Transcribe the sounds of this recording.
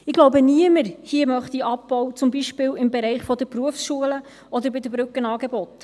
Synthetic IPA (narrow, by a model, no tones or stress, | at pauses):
ɪɡloʊbəniəməɾhiəmœχt̪iɑpːɔwt͡sʊmbiʃpɪːlɪmbeɾɛɪχfɔd̪əpruəfsʃuələ | ʔɔd̪əɾbɪd̪əbɾʉkːənɑːɡebɔt̪